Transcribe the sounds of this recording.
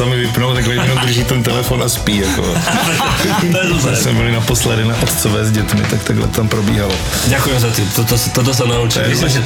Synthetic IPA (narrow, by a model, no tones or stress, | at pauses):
samɪvɪpnowt̪aɡlɛɛnod̪ɾ̩ʒiːt̪ɛnt̪ɛlɛfonaspiːjako̰ | t̪ojɛzaɛsmɛmɲɛlɪnaposlɛdɪnaʔot̪t͡sovɛːzɟɛt̪mɪ̰t̪akt̪aɡlɛ̰t̪t̪ampɾobḭːɦalo | ɟakujmzat̪ɪt̪ot̪ost̪ot̪̬os̬ɛnaut͡ʃiisɛ